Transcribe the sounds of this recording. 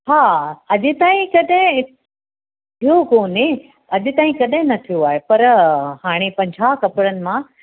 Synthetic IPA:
ɦaːɐʄɪt̪aːĩkɐɗɦɪ̃ | t̪ʰijokoːne | ɐʄɪt̪aːĩkɐɗɦɪ̃nɐt̪ʰijoaːɦepɐɾhaːɽ̃epɐ̃ɲd͡ʑʱaːkɐpɪɽənɪ̆mã

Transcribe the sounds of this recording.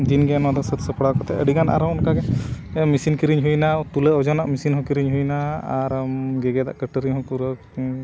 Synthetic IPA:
d̪inɡɛnwad̪ɔsət̪səpɽakɔt̪ɛəɽiɡanʔa̰ɾɔwɔnkaɡɛ | ɛmisinkiɾiɲɦujnat̪ulɛɔd͡ʒɔnaʔmisinɦɔ̃kiɾiɲɦujnaaɾmɡɛɡɛd̪a̰ʔkəʈəɾiɦɔ̃kuɾə

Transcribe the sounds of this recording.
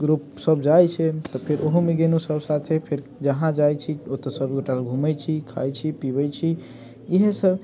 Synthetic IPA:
ɡɾupsəbd͡ʒajt͡ʃʰɛt̪ɔpʰeɾʔoɦumeɡenusəbsat̪ʰepʰeɾ | d͡ʒəɦãd͡ʒajt͡ʃʰiot̪ɔsəbɡoʈalɡʱumɛjt͡ʃʰikʰa̰jt͡ʃʰipibɛt͡ʃʰi | iɦesəb

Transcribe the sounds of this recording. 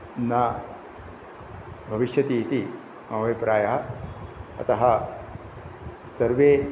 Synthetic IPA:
nɐ | bʱɐʋiʃjɐt̪iːt̪i | mɐʋɐjpɾaːjɐɦɐ | ɐ̰t̪ɐɦɐ | sɐɾʋeː

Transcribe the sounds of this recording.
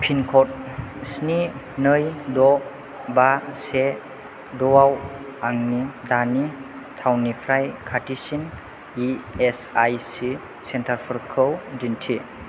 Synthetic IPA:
pʰinkʰɔt̚sni | nɯjdɔ | base | dɔwawaŋnidani | tʰawnipʰɾajkʰatisin | iesajsi | sentʰaɾpʰɯɾkʰɯwdintʰi

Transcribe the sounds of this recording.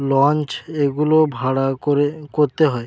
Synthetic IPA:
lɔnt͡ɕeɡulobʱaɽaoekoɾt̪eɦɔe

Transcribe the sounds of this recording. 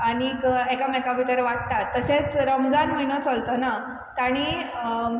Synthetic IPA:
aɽ̃iɡɛkamɛkabʱit̪əɾʋaʈ̚t̪at̪ːəɕet͡sɾəmd͡zanməinot͡solt̪əna | t̪aɽ̃i

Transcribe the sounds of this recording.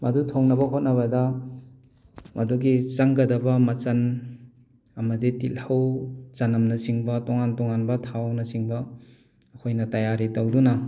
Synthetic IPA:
mɐdutʰoŋnɐbɐɦot̚nɐβɐdɐ | mʔɐduɡit͡ʃɐŋɡɐdɐbɐmɐt͡ʃɐn | ɐmɐditilhɐwt͡ʃɐnɐmnɐsiŋbɐtoŋantoŋanbɐtʰawnɐsiŋbɐː | kʰojnɐtajaɾitɐwdunɐ

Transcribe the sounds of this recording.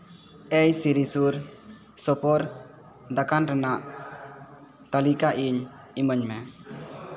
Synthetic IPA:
ɛjsiɾisuɾ | sɔpɔɾ | d̪akanɾɛnaʔ | t̪alikaʔiɲ | iməɲmɛ

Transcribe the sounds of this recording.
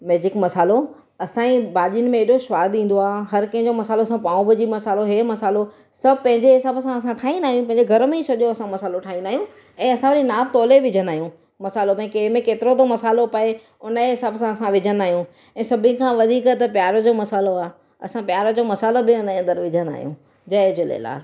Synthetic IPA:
meːd͡ʑɪkmɐsaːlo | ɐsãĩbaːʄinɪ̆mẽeɗoʃʋaːd̪ĩːn̆d̪oaːɦɐɾkɐ̃ɦɪ̃ɲd͡ʑomɐsaːlosãpaːũbɪd͡ʑimɐsaːloɦeːmɐsaːlo | sɐbʱpɐ̃ɦɪ̃ɲd͡ʑeɦɪsaːbsãɐsãʈʰaːĩnaːɦijũpɐ̃ɦɪ̃ɲd͡ʑeɡʱɐɾmẽisɐʄoɐsãmɐsaːloʈʰaːɦĩnd̪aːɦijũ | ɛ̃ːɐsãʋɐɾinaːb̚t̪ɔːleʋɪd͡ʑʱə̃nd̪aːijũ | mɐsaːlopɐ̃ĩkeːmẽkeːt̪ɪɾot̪omɐsaːlopɐe | ʊnəeɪsəbsãɐsãʋɪd͡ʑʱə̃nd̪aːɦijũ | ɛ̃ːsɐbʱĩkʰãːʋɐd̪ʱiːkt̪ɐpjaːɾd͡ʑoːmɐsaːloaː | ɐ̰sãpjaːɾəd͡ʑoːmɐsaːlobɪʊneɐ̃nd̪əɾʋɪd͡ʑʱə̃nd̪a̰ːɦjũ | d͡ʑɐd͡ʑʊlḛːla̰ːl

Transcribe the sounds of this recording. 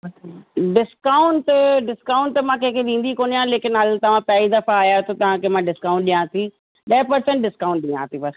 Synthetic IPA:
ɖɪskaːʊɳʈɖɪskaːʊ̃ɳʈt̪ɐmãkẽːkʰed̪ĩːn̆d̪ikoːnijãleːkɪnɦɐlt̪ɐʋ̤ãpɛid̪ɐfaːjat̪ot̪ɐʋ̤ãkemãːɖɪskaːʊ̃ɳʈɗĩjãːt̪i | ɗɐpɐɾsə̃ɳʈ̚ɖɪskaːʊ̃ɳʈ̚ɗĩːã̰ːt̪ʰibɐs

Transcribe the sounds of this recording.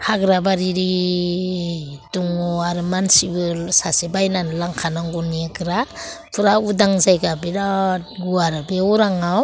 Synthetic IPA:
hʰaɡɾabaɾiɾi | tuŋɔaɾɯmansibɯlsasebajnanlaŋkʰanaŋɡɔniekɯɾapʰɯɾaudaŋzajɡabiɾatɡuaɾabeɔɾaŋaw

